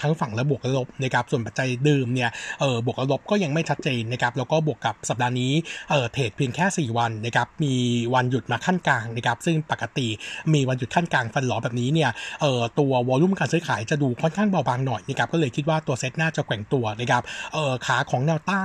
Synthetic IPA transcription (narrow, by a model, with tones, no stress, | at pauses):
t̪ʰa˦˥ŋfa˨˩ŋlɛː˦˥bu˨˩ək̚la˧lo˦˥p̚na˦˥kʰa˦˥p̚su˨˩ənpa˨t̪̚t͡ɕa˧jdɯː˧mni˥˩ɐʔɤː˨˩bu˨˩ək̚la˧lo˦˥p̚kɔː˥˩ja˧ŋma˥˩jt͡ɕʰa˦˥t̪̚t͡ɕeː˧nːa˦˥kʰa˦˥p̚lɛː˦˥wkɔː˥˩bu˨˩əkːa˨˩p̚sa˨˩p̚daː˧niː˦˥ʔɤː˨˩t̪ʰeː˨˩t̪̚pʰi˧əŋkʰɛː˥˩siː˨˩wa˧nːa˦˥kʰa˦˥p̚miː˧wa˧nju˨˩t̪̚maː˧kʰa˥˩nkaː˧ŋna˦˥˩kʰa˦˥p̚sɯ˥˩ŋpa˨˩kːa˧t̪i˨˩miː˧wa˧nju˨˩t̚kʰa˥˩nkaː˧ŋfa˧nlɔː˩˦bɛː˨˩p̚niː˦˥ni˥˩ɐʔɤː˨˩t̪u˧ɐwɔː˧lu˥˩˨mkaː˧nsɯː˦˥jkʰaː˩˦jt͡ɕa˨˩duː˧kʰɔ˥˩nkʰaː˥˩ŋba˧wbaː˧ŋnɔ˨˩jna˦˥kʰa˦p̚kɔ˥˩lɤː˧jkʰi˦˥t̪̚waː˥˩t̪u˧ɐse˦˥t̪̚naː˥˩t͡ɕa˨˩kwɛ˨˩˦ŋt̪u˧ɐna˦˥kʰa˦˥p̚ʔɤː˨˩kʰaː˩˦kʰɔː˩˦ŋnɛː˧wt̪aː˥˩